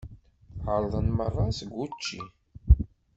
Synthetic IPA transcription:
əɾˤðˤənmərˤːɑsəɡʷːut͡ʃːi

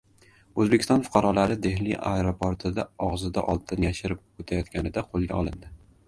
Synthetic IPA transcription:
ɵzbekʲʰst̪ɒnfʊ̥qʰɑɾɒlaɾɪd̪e̞ɦlɪʔa̰eɾopʰoɾt̪ʰɪd̪aɒʁzɪd̪a̰ʔɒlˠt̪ʰɪnjaʃɪɾɪp̚ot̪ʰajɒt̪kʲʰanɪd̪aqʰolˠɡʲaɒlˠɪnd̪ɪ

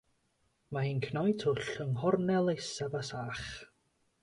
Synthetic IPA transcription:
mainkʰnɔjtʰʊɬəŋhɔrnɛlˠejsɛvasaχ

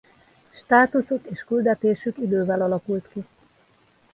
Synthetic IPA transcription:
ʃt̪aːt̪usot̪eːʃkyld̪ɛt̪eːʃykid̪øːvɛlɒlɒkult̪ki

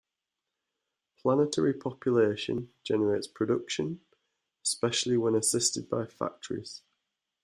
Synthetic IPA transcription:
pʰl̥anɪtʰəɹipʰɒpʰjəleɪʃə̰̃nd͡ʒɛnəɹeɪtspʰɹ̥ədʊkʃə̃n | ɪspɛʃəl̩ˠɪwə̃nəsɪstɪd̚baɪfa̰k̚tʰəɹɪ̰z̥

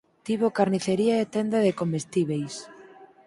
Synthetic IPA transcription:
t̪iβokaɾniθeɾiaet̪end̪aðekomest̪iβejs

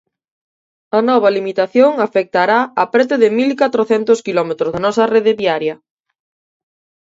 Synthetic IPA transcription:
ɐnɔβ̞alimit̪aθjoŋafek̚t̪aɾaapɾɛt̪̬eðɪmilkat̪ɾoθɛnt̪oskilɔmet̪ɾozanɔsɐreðeβiaɾjɐ

